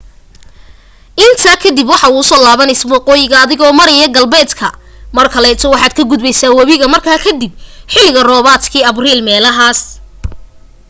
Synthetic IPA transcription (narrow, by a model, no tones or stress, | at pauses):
ʔɪnt̪ʰɐkʰɐd̪ibwɑħɑuʊsɔːlaːβɐnɪswɑqɔːjɪɣɐːðɪɣɔːmɐɾɛjɐɡɐlbɛːd̪kʰɐ | mɐrkʰɐlɛːt̪ʰɔwɑħɑːd̪̚kʰɐɡʊd̪bɛjsaːwɑβiɣɐmɐrkʰaːkʰɐd̪ib̚ħɪlɪɣɐrɔːβaːt̪kʰiːɐbriːlmɛːlɐɦaːs